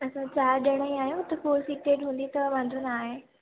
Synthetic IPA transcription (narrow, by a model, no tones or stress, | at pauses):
ɐsãt͡ɕaːɾɗɐɽ̃əĩaːɦjũt̪ɐkoːɾsiːʈeːʈɦũːnd̪it̪ɐʋãːnd̪ʱunaːɦe